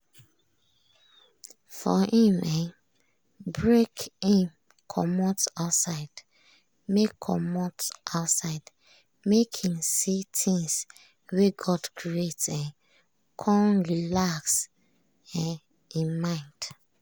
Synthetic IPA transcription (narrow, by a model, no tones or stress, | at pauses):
fɔ̰hĩmɛ | bɹekĩm | kʰɔ̰mɔtaʊtsaɪd | mekʰːɔ̰mɔtʔaʊtsaɪd | mekhĩmsitʰĩŋs | weɡɔdkʰɹietɛ̃n | kʰɔ̃nɹilaks | ɛ | ĩnmãɪ̃nd̥